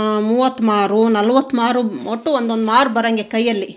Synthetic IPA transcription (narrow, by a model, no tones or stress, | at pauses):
muːʋɐt̪ːmaːɾunɐlʋɐt̪ːmaːɾumoʈːuond̪ond̪maːɾubɐɾɐŋɡekɐjːɐlːi